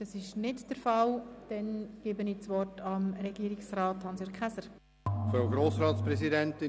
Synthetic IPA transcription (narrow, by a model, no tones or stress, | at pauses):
d̥ɑsɪʃnɪtd̥əɾfɑld̥ɛnɡ̥ɪbənɪːt͡sʋɔrtɑmɾɛɡiːɾɪksrɑːthɑnsjøːɾkχɛsəɾ | fɾaʊɡɾoːsɾɑːtspɾɛsidɛntɪ